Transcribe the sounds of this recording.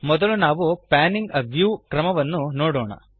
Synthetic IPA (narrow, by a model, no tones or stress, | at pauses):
mɔd̪ɐlunaːʋupaːniŋɡɐʋjuːkɾɐmɐʋɐnːunoːɽoːɳɐ̰